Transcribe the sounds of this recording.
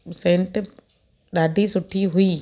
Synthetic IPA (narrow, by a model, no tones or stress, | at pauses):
sẽːɳʈ | ɗaːd̪ʱisʊʈʰːiɦʊiː